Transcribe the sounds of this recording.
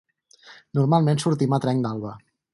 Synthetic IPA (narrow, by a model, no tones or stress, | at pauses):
nuɾmalˠmensuɾt̪imat̪ɾɛŋd̪alˠβə